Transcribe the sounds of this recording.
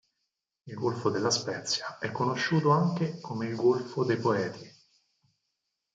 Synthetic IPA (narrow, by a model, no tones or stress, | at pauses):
ilɡolfod̪elːaspɛt̪sjaɛkːonoʃːuːt̪oaŋk̟ekomeilɡolfod̪ejpoɛːt̪ʰi